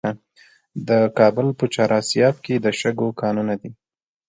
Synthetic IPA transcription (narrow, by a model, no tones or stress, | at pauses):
a | d̪əkɑbʊlpət͡ʃɑɾʔɑsjɑb̚ked̪əʃəɡokɑnunad̪i